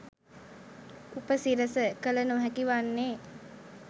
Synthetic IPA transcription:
upəsiɾəsəkələnoɦækiʋanːeː

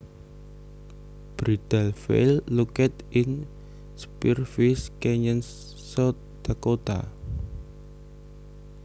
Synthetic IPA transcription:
b̥ɾid̪̥ɛlfḛlːukɛt̪ɪn | spirfiskɛɲən | sɔ | d̪̥akot̪a̰

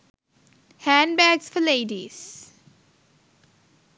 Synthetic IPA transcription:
hæ̃nbæːɡsfəleːɖiz̥

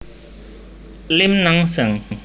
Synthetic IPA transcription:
limnaŋsəŋ

